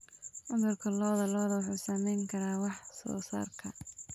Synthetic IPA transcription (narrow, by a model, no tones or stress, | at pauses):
ʔʊd̪ʊrkʰɐlɔːðɐlɔːðɐwʊħuːsɐmɛjŋkʰɐɾaːwɑħsɔ̰ːsa̰ːrkʰɐ